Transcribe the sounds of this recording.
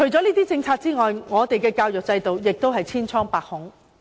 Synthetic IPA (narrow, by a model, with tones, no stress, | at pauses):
t͡ʃʰɵ˨˩ɥt͡sɔː˨˥liː˥t̪iː˥t͡sɪ˧ŋt͡sʰaː˧t̚t͡siː˥ŋɔː˨jŋɔː˨˧t̪e˨jkɛː˧kaː˧wjʊ˨k̚t͡sɐ˧jt̪o˨wjɪ˨k̚t̪o˥wɦɐ˨jt͡sʰiː˥nt͡sʰɔː˥ŋpaː˨k̚hʊ˨˩˥ŋ